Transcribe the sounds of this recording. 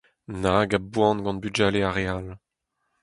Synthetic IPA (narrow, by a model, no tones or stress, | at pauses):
naɡabwɑ̃nɡɑ̃nbyd͡ʒaleaʁeal